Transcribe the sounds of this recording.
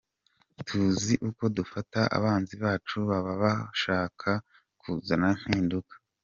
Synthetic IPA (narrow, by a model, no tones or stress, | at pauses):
tʰuziʔuko̞dufataʔa̰βaːnziβaːt͡ʃuβaβaβaʃaːkʰa | kʰuzanan̥hiːndukḁ